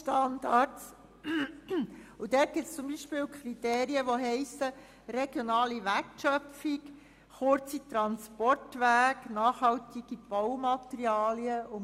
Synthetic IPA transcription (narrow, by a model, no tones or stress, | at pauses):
ʃtɑndɑts | ud̥ɛːt̚ɡ̥ɪtst͡sʊmbiːʃpɪːwkʰrit̪eːɾiəʋoɦɛɪsə | reɡ̥jonɑːliʋæɾtʃœfik | χʊɾt͡sit̪ɾɑnspɔrtʋæːknɑːχhɑwt̪iɡ̥ib̥ɔwmɑt̪ɾiɑːliəʊ